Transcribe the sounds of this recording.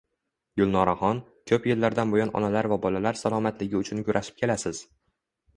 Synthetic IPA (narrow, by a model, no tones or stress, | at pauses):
ɡʊlˠnɒɾaχɒn | t͡ʃʰopjelːaɾd̪anbojɒnɒ̰nalaɾvabɒlalaɾsalˠɒmat̪lɪɡʲɪʊt͡ʃʰʊnkʰʊɾʔaʃɪ̥p̚kʲʰe̞lasɪz̥